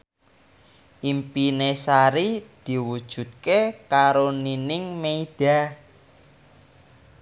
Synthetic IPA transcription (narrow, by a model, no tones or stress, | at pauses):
ʔimpinesaɾid̪̥i̤wud̥ʒ̥ṳd̪̚kekaɾoninɪŋmeid̪̥a̤